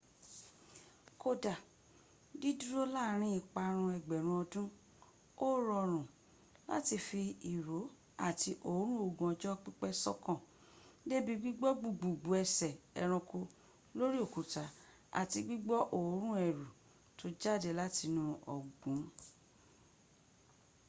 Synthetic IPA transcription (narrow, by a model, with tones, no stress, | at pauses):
kʰo˧da˨ | di˦du˦ɾo˦la˦˨ɾ̃ĩ˧˦i˨k͡pa˧ɾ̃ũ˧ɛ˨ɡ͡bɛ˨ɾ̃ũ˧˦ɔ˧dũ˦ | o˦ɾɔ˧ɾ̃ũ˨ | la̰˦ti˧fi˧i˨ɾo˨˦ | a˦˨ti˧ʔo˨˦ɾ̃ũ˦o˨ɡũ˨ɔ˧d͡ʒɔ˦k͡pi˦k͡pɛ˦sɔ̰˦kɔ̃˦˨ | de˦bi˦ɡ͡bi˦ɡ͡bɔ˦ɡ͡bu˨ɡ͡bu˨ɡ͡bu˨˦ɛ˧sɛ˨ɛ̰˨ɾ̃ũ˧ko˧ | lo˦ɾi˦o˦˨ku˨ta˨˦ | a̰˨ti˧ɡ͡bi˦ɡ͡bɔ˦ʔo˦˨˦ɾ̃ũ˦ɛ˨ɾu˨ | tʰo˧˦d͡ʒa˦˨de˨la˦ti˧nũ˧ɔ̰˨ɡũ˨˦